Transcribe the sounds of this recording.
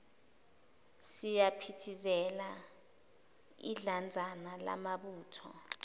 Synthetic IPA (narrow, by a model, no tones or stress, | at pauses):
sijapʰitʰizɛla | ḭɮand͡zʱanala̰maɓuːtʰɔ̰